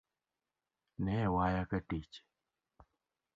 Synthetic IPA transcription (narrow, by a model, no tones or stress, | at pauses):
nɛwajakaʈit͡ʃ